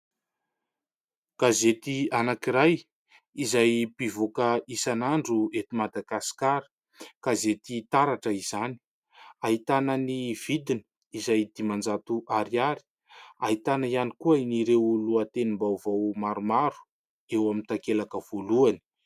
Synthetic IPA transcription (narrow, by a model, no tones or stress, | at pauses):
kazet̪ianakiɾaj | izajpivokəʔisanaɳɖ͡ʐuet̪imad̪aɡasi̥kaɾi̥ | kazet̪it̪aɾaʈ͡ʂəizani̥ | aɦit̪anəniv̥id̪ini̥ | izajd̪̥imand͡zat̪uʔaɾiaɾi̥ | aɦit̪anaianikuəiniɾewluat̪enimbawvawmaɾumaɾu̥ | ewamint̪akelakəv̥oluani̥